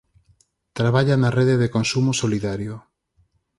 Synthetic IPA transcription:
t̪ɾaβaʎanareðeðekonsumosoliðaɾjo

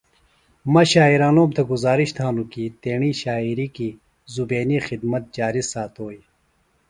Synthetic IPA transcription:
mɐɕaːiɾaːnoːmt̪ʰɐɡuzaːɾiɕt̪ʰaːnukit̪eːɳiːɕaːiɾiki | zubeːnixid̪mɐt̪̚d͡ʑaːɾisaːt̪oːi

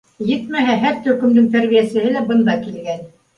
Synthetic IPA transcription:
jɘt̪mæɦæɦæɾt̪ɵ̆kɵ̆md̪ɘŋt̪æɾβijæsɘ̆hɘlæbɤ̆nd̪ɑkilɡæn

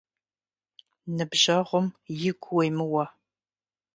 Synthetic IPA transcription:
nɨbʒɐʁʷʊmjɪɡʷʰwejmɨwɐ

